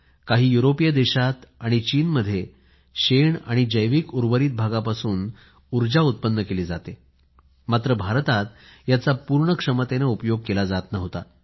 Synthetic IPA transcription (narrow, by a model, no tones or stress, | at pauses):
kaɦiːjuɾopijəd̪eɕat̪aɽ̃it͡ɕiːnməd̪ʱje | ɕeɳa̰ɽ̃id͡ʑəjʋiːkuɾʋəɾiːt̪̚bʱaɡapasuːn | uɾd͡ʑaut̪̚pənːəkeliːd͡zat̪e | mat̪ɾəbʱaɾt̪at̪jat͡sapuɾɳəkʂəmət̪enaupəjoɡ̚kelad͡zat̪naɦot̪a̰